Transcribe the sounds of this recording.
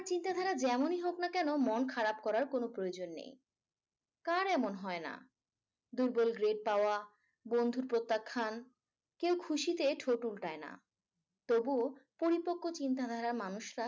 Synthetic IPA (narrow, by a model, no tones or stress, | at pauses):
aɾt͡ɕint̪ad̪ʱaɾad͡ʑɛmoniɦoknakɛnomonkʰaɾap̚kɔɾaɾkonopɾojod͡ʑonːḛj | kaɾɛmonɦɔena̰ | d̪uɾbolɡɾeɖ̚paoa | bond̪ʱuɾpɾot̪ːakʰːan | kewkʰuʃit̪eʈʰoʈulʈaena̰ | t̪obupoɾipokʰːot͡ɕint̪ad̪ʱaɾaɾmanuʃɾa